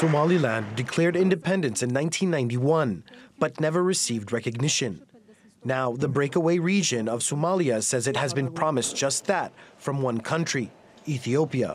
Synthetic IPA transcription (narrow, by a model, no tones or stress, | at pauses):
somɑlˠilæ̃ndɨkʰl̥ɛɹɾɪ̃ndɨpʰɛ̃ndɨ̃nsɨ̃nːãɪ̃ntʰĩnːãɪ̃ntiwʌ̃nb̥ʌtⁿnɛvə˞ɹɨsivd̚ɹɛkɨɡ̚nɪʃɨ̃nː | aʊðəbɹeɪkəweɪɹid͡ʒɨ̃nʌv̥somɑlˠiɨsɛzɨt̚hɨzbɨ̃npʰɹ̥ɑmɨsd̥ʒ̥ʌst̪̚ðət̚fɹʌ̃mwʌ̃nkʰʌ̃nt͡ʃɹ̥i | iθioʊpiɨ̰